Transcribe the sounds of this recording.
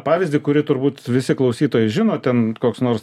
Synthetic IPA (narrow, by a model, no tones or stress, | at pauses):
pɑːʋʲɪzʲd̪ʲɪkʊɾʲɪt̪ʊɾbuːt̪ʋʲɪsʲɪklˠɐʊsʲiːt̪oːjɛɪʒʲɪnoːt̪ʲɛnkoːksnoːɾs